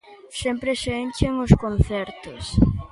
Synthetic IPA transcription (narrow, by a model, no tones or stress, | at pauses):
sempɾeseent͡ʃeŋoskonθɛɾt̪ʊs